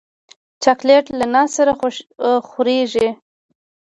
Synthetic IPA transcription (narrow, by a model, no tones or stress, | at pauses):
t͡ʃakleʈlanɑsaɾa | xʊɾeʒi